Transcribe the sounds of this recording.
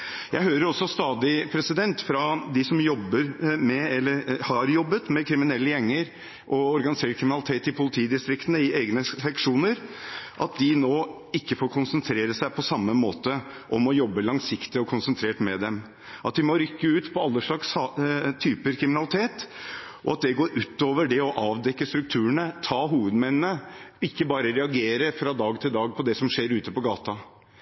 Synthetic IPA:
jʔæɪɦøːɾəɾɔsːɔst̪ɑːd̪ɪpʰɾɛsɪd̪ɛnt̪fɾɑd̪ɪsɔmjɔbːəɾmɛɛlːəɾhɑɾjɔbːət̪mɛkʰɾɪmɪnɛlːəjɛŋːəɾ | ʔɔɔɾɡɑnɪseːʈ̚kʰɾɪmɪnɑlɪt̪ʰeːt̪ɪpʰʊlɪt̪ʰiːd̪ɪst̪ɾɪkt̪ənəɪʔeːɡnəsɛkʂuːnəɾʔɑt̪̚d̪ɪnoː | ɪkːəfoːɾkʰʊnsənt̪ʰɾeːɾəsæɪpʰɔsɑmːəmoːt̪ə | ʔɔmɔjɔbːəlɑŋsɪkt̪ɪɔkʰʊnsənt̪ʰɾeːʈmɛd̪ɛm | ʔɑt̪̚d̪ɪmɔɾʏkːəʉːt̪pʰɔɑlːəʂɭɑkst̪ʰyːpəɾkʰɾɪmɪnɑlɪt̪ʰeːt̪ | ʔɔɑt̪̚d̪ɛɡoːɾʉːt̪oːʋəɖɛɔʔɑːʋd̪ɛkːəst̪ɾʉk̚t̪ʰʉːəɳət̪ʰɑːɦuːʋəd̪mɛnːnəɪkːəbɑːɾəɾɛɑɡeːɾəfɾɑd̪ɑːɡt̪ʰɪld̪ɑːɡ̚pʰɔd̪ɛsɔmʂeːɾʉːt̪əpɔɡɑːt̪ɑ

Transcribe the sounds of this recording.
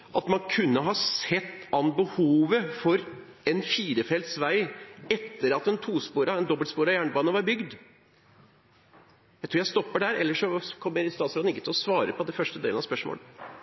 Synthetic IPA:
ʔɑt̪mɑnkʰʉnːəɦɑsɛt̪ːɑnbəhuːʋəfɔɾ | ɛnfiːɾəfɛlt̪sʋæɪɛt̪ːəɾɑt̪ɛnt̪ʰuːspuːɾɑɛnd̪ɔbəlt̪spuːɾɑjæːɳəbɑːnəʋɑɾbʏɡd̪ | jæɪt̪ʰuːjæɪst̪ɔpːəɖæɾɛ̰lːəʂɔkʰɔmːəɾɪst̪ɑːt̪sɾɑːd̪nɪkːət̪ʰɪlɔsʋɑːɾəpʰɔd̪ɛfœʂʈəd̪ḛːlnɑspœʂmo̰ːl

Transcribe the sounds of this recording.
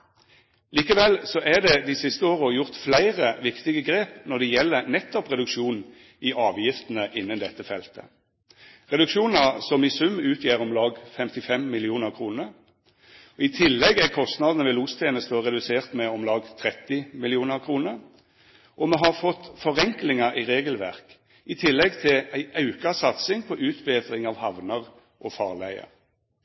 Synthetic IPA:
liːkəʋɛlsɔʔæd̪ɛd̪ɪsɪst̪əoːʁəɔjʊʁt̪flæɪʁəʋɪkt̪ɪɡəɡʁeːpnɔʁd̪ɛjɛlːənɛt̪ːɔpʁɛd̪ʉkʃuːn | ɪʔɑːʋjɪft̪n̩əʔɪnːənd̪ɛt̪ːəfɛlt̪ʰə̰ | ʁɛd̪ʉkʃuːnəsɔmɪsʉmːʉːt̪ʰjeːʁɔmlɑːɡfɛmt̪ɪfɛmːɪlɪuːnəʁkʰʁuːnəʁ | ɔɪt̪ʰɪlːɛɡækʰɔst̪nɑːd̪ənəʋɛluːst̪ʰjeːnəst̪əʁɛd̪ʉseːʁt̪mɛɔmlɑːɡt̪ʰʁɛt̪ːɪmɪlɪuːnəʁkʰʁuːnəʁ | ʔɔmɛɦɑʁfɔt̪ːfɔʁɛŋklɪŋɑiʁeːɡəlʋæʁk | ʔɪt̪ʰɪlːɛɡt̪ʰɪlæɪʔɑʉkɑsɑt̪sɪŋpʰɔʔʉːt̪beːd̪ʁɪŋɑʋhɑʋnəʁ | ʔɔfɑːʁlæɪə̰ʁ

